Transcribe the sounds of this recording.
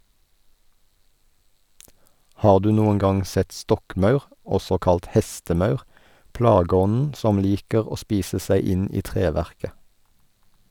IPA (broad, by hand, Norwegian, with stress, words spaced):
ˈhɑːʁ ˈdʉː ˈnuːəŋ ˈɡɑŋ ˈsɛt ˈstɔkˌmɑʉʁ ˈɔsɔ ˈkɑlt ˈhɛstəˌmɑʉʁ ˈplɑːɡəˌɔnn̩ ˈsɔm ˈliːkəʁ ˈoː ˈspiːsə ˈsæɪ ˈɪn ˈiː ˈtʁeːˌʋæʁkə